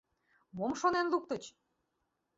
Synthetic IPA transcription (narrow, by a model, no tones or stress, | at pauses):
momʃonenluk̚t̪ə̆t͡ɕ